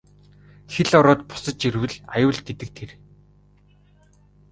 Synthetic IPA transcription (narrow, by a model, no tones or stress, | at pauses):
xeɮɔɾʊːt̪̚pʊ̥sə̆t͡ɕirwɘ̆ɮajʊːɮt̪et̪ɘ̆k̚t̪ʰer